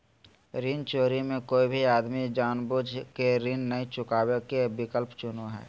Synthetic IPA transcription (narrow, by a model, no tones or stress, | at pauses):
ɾint͡ʃoːɾimẽkoːibʱiaːd̪mid͡ʒaːnbʊd͡ʒʱkeɾɪnːəɦĩt͡ʃʊkaːwekebɪkəlpt͡ʃʊnoɦɛ̰ː